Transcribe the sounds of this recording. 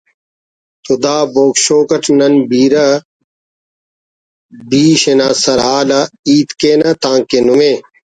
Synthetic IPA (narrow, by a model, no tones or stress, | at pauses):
t̪ud̪aːboːkɕoːkɐʈʰnɐnbiːɾɐ | biːɕenaːsɐɾɦaːlɐiːt̪keːnɐt̪ãːŋkenume